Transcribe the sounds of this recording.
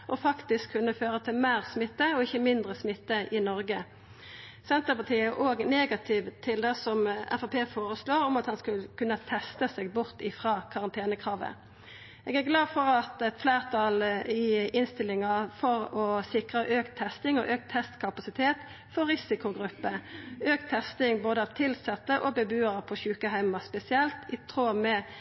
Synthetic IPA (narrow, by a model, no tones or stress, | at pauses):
ʔɔfɑkt̪ɪskʰːʉnːəføːʁət̪ʰɪlmeːʁsmɪt̪ːəɔɪçəmɪnd̪ʁəsmɪt̪ːəʔɪnɔʁɡə | sɛnt̪əʁpɑt̪iːəʔoːɡneːɡɑt̪ʰɪʋt̪ʰɪld̪ɛsɔmɛ̰fɑpʰeːfoːʁəsloːʁɔmɑt̪hɑnskʉləkʰʉnːət̪ʰɛst̪əsɛːɡ̚bʊʁt̪ɪfʁɑːkʰɑʁɑnt̪ʰeːnəkʰʁɑːʋə̰ | ɛːɡæʁɡlɑːd̪fɔʁɑt̪ɛt̪flæːʁt̪ʰɑlɪɪnst̪ɪlːɪŋɑfɔʁɔsɪkʁəʔøːkt̪ʰːɛst̪ɪŋɔ̰ʔøːk̚t̪ʰːɛst̪kʰɑpɑsɪt̪ʰeːt̪ | fɔɾːɪsɪkʊɡʁʉpːəøːkt̪ʰːɛst̪ɪŋboːd̪əɑʋt̪ʰɪlsɛt̪ːəʔɔbɛbʉːəɾpʰɔçʉːkəɦæɪmɑspɛsɪɛlt̪ɪt̪ʰʁoːmɛ